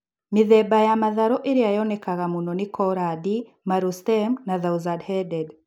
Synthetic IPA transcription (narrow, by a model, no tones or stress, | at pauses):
miðɛbajamaðaɾoʔeɾiajonekaɣamunonikoɾadi | maɾustɛmnaðauzadhɛdɛd